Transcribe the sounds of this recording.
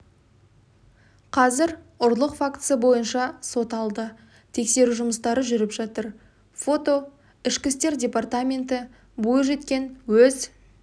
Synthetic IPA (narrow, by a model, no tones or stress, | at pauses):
qʰɑzɪɾʊɾlˠəqfakt̪sɨəbo̞jənʃɑso̞t̪ɑlˠd̪ə | t̪ʰe̞kse̞ɾuʒʊməst̪ɑɾəʒʏɾɪpʒ̥ɑt̪əɾ | fo̞t̪o̞ | ɪʃkʲɪst̪e̞ɾdʲe̞part̪amʲe̞nt̪ɪ | bojəʒe̞t̪kʲe̞nwɵz